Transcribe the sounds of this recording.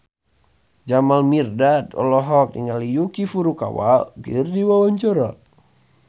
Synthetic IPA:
d͡ʒamalmirdat̪ɔ̰lɔɦɔk̚dḭŋalijukifuɾuka̰wa̰kɨrdiwawaɲt͡ʃɔɾa

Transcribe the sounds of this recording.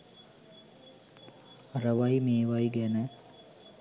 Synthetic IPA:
rəʋajmeːʋajɡɛnə

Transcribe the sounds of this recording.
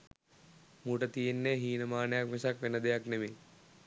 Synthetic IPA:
muʈət̪ijenːeɦiːnəmaːnəjakmesakʋenəd̪ejaknemeː

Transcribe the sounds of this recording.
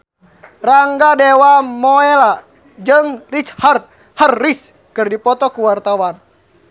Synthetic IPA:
raŋɡadɛwamɔɛla | d͡ʒəŋrit͡ʃhərt̪̚ | hərːis | kɨrdipɔt̪ɔkuwart̪awan

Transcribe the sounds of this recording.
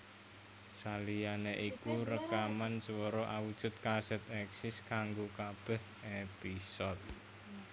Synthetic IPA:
salijaneʔikuɾəkamanswəɾɔʔawud̥ʒ̥ʊ̤t̪̚kasɛt̪ɛksɪskaŋɡokab̥ɛh | episɔt̪̚

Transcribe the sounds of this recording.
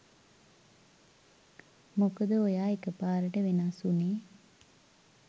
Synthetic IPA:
mokəd̪əojaːekəpaːɾəʈəʋenasuneː

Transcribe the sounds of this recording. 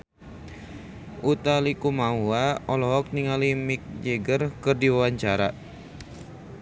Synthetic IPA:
ʔut̪alikumauaɔlɔɦɔk̚niŋalimik̚d͡ʒeɡərkɨrdiwawaɲt͡ʃaɾa

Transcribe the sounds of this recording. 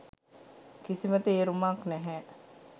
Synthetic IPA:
kisimət̪eeːɾumaːknɛɦɛː

